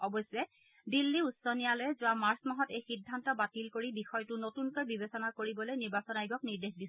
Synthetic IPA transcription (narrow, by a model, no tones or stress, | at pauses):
ɔbɔjsʊɛ | dilːiusɔnijalojɛzʊwamaɹsmaɦɔtejxidʱːantɔbatilkoɹibixɔjtʊnotunkojbibesɔnakoɹibɔlojniɹbasɔnajɡɔkniɹdexdis